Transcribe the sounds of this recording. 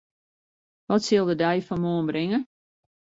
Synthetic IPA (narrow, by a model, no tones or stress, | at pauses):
ʋɔtsɪlˠdədɛjfɔnmoːnbrɪŋə